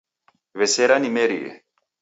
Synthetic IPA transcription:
veseɾanimeɾijḛ

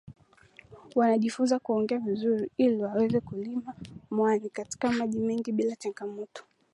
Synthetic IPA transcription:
wanaʄifunzakuɔŋɡɛavizuɾiiliwawɛzɛkulimamwanikati̥kamaʄimɛŋɡiɓilat͡ʃaŋɡamɔtɔ̥

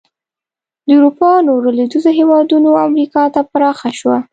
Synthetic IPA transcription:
d̪əuɾupɑnoɾaled̪uzoɦewɑd̪unoamɾikɑt̪apaɾɑxaʃwa

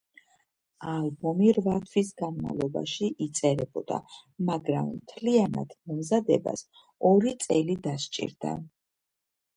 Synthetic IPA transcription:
albɔmiɾvat̪ʰwisɡanma̰vlˠɔba̰ʃiʔit̪sʼɛɾɛbɔd̪̥a̰maɡɾammt̪ʰliana̰d̪̥mɔmzad̪ɛba̰s | ɔɾit̪sʼɛlid̪ast͡ʃʼḭɾd̪̥a̰

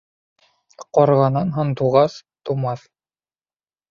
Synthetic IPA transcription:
qɒɾʁɑnɑnɦɤɴt̪uʁɑst̪umɑθ

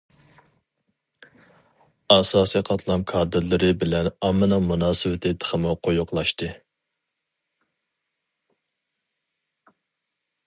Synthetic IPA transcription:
ɑsɑːsiqʰɑt̪ʰlˠɑmkʰɑːd̪ɨɾlɨɾɪbɪlɛnɑmːɨnɑmunɑːsɨwɪt̪ʰɪt̪ʰə̥χʰəmʊqʰojʊqʰlˠɑʃt̪ɨ

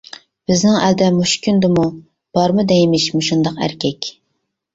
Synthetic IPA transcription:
b̥ɪznɪŋæld̪ɛmuʃkʲynd̪ɨmu | b̥ɑɾmɨd̪ɛjimɪʃmuʃund̪ɑqæ̰ɾkʲʰɛkʲ

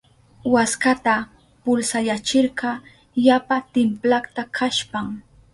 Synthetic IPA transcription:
waskat̪a | pʊlsajat͡ʃɪɾɢɑ | japat̪ɪmplaχt̪akʰaʃpaŋ

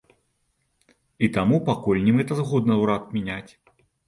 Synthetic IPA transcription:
it̪amupakulʲnʲimɣɛt̪ɐzɣɔd̪nɐwɾat̪mʲinʲat͡sʲ

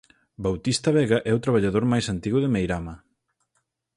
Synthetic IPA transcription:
bawt̪ist̪ɐβɛɣɐʔɛut̪ɾaβ̞aʎaðoɾmajsant̪iɣʊðɪmejɾamɐ

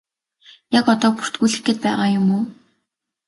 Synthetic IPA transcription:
jakɔt̪ɔːpu̥r̥t̪ɡuːɮɘ̆xɡet̪̚pæːʁaːjʊmuː

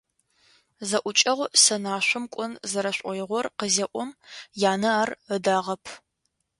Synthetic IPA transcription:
zɐʔʷʊt͡ʃʼɐʁʷsɐnaːɕʷʊmkʷʼʊnzɐɾɐɕʷʼɔjɪʁʷɔrqəzɐʔʷʊmjaːnɐaːrədaːʁɐpʰ

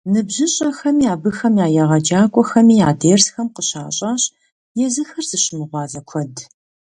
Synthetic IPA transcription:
nɨbʑɨɕʼɐxɐmjaːbɨxɐmjaːjɐʁɐd͡ʒaːkʷʼɔxɐmiːjaːdeːrsxɐmqəɕaːɕʼaːɕ | jɛzɨxɐrz̥ɨɕɪmɨʁʷɑːzɐkʷʰɔd

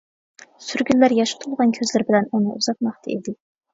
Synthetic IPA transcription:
syɾɡʲylːæɾjɑʃʊ̥t̪ʰulˠʁɑnkʲʰøzlɪɾbɪlɛnunɨʔuz̥ɑq̪̚mɑχt̪ʰɑ̰id̪ɪ

